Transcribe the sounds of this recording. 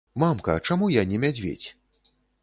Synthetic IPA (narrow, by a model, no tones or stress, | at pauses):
mamkɐ̰t͡ʂamujanʲɛmʲad͡zʲvʲḛt͡sʲ